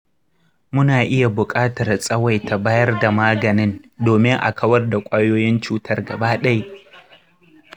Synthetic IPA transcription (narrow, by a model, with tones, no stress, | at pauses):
mʊ˦naː˨ʔɪ˦ja˨bʊ˨kʼaː˦tɐ˨rsʼɐ˦wa˨jta˨baː˦jɐ˦rda˨maː˦ɡɐ˨nɪ˦ndoː˨mɪ˦ŋʔa̰˨kʰɐ˦wɐ˦rda˨kʷʼaː˦joː˦jɪ˦nt͡ʃuː˦tʰɐ˦rɡɐ˨baː˦ɗa˦j